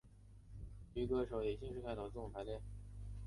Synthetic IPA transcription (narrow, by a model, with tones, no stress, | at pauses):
y˧˥˩kɤ˧˥˩ʂo˨˩ʊe˨˩ɕi˥ŋʂɻ̩˥˧kʰa˥˩ɪɑ˨˩t͡s̩˥˩˨pʰa˧˥le˥˩